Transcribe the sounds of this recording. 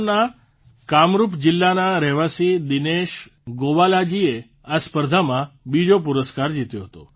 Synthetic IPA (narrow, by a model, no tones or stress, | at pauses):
na | kamɾupd͡ʒɪlːanaɾɛʋasid̪ineʃ | ɡoʋalad͡ʒie | aspəɾd̪ʱamãbid͡ʒop̬uɾəskaɾd͡ʒit̪joɦət̪o̰